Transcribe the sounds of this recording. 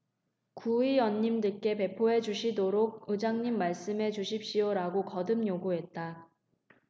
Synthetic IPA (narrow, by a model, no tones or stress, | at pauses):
kuijʌnːimdɯk͈e̞pe̞pʰoɦe̞d͡ʑuɕʰidoɾoɡ̚ɯd͡ʑaŋɲimːaɭs͈ɯmɦe̞d͡ʑuɕʰip̚ɕ͈ijoɾaɡokʌdɯmjoɡuɦe̞t̚t͈a